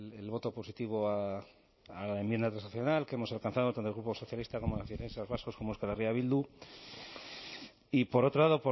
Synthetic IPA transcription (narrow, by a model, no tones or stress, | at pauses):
elβo̞t̪o̞po̞sit̪iβ̞o̞a | alaembje̞nd̪at̪ɾasnaθjo̞nalkeemo̞salkanθaðot̪ant̪olɣɾupo̞so̞θjalist̪akomolafieɾensazβaskosko̞moeskalariaβild̪u | ipo̞ɾo̞t̪ɾo̞laðo̞po